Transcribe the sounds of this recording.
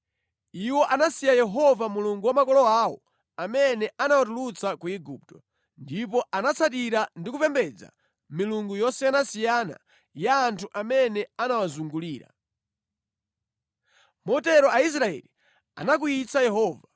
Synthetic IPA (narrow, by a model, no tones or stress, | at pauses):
iwɔʔanasijajɛɦɔvamuluŋɡuwamakɔlɔawɔ̰ | amɛnɛanawatulut͡sakuiɡup̚tɔ | ndipɔʔanat͡sʰat̬iɾandikupɛmbɛd͡za̰ | miluŋɡujɔsɛjanasijana̰ | jaːntʰuʔamɛnɛanawazuŋɡuliːɾa̰ | mɔtɛɾɔais̬ɾaɛ̰li | a̰nak̬uit͡sajɛɦɔːva